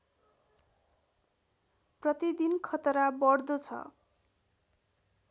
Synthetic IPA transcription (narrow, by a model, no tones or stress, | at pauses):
prʌt̪id̪inkʰʌt̪ʌɾabʌɽd̪ot͡sʰʌ̰